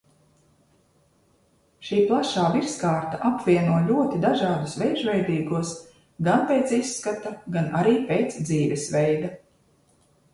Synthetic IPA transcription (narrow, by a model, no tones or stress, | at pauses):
ʃiːplˠaʃaːviɾskaːɾt̪aʔapvʲiɛnuɔlʲuɔt̪id̪aʒɑːd̪usvɛjʒvɛjd̪iːɡuɔs | ɡanpeːt̪sisːkat̪aɡanaɾiːpeːt̪sd̪ziːvɛsvɛjd̪a